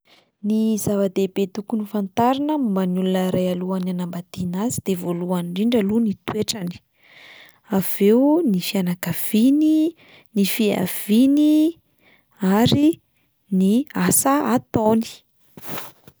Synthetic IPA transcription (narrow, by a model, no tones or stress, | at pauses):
nizavad̪ebet̪ukunifant̪aɾinəumbanulunəɾajaluananambad̪inazid̪̥evoluanɳɖ͡ʐiɳɖ͡ʐalunit̪weʈ͡ʂani̥ | av̥ewnifianakav̥ini | nifia̰v̥ini | aɾi | niasaat̪oni̥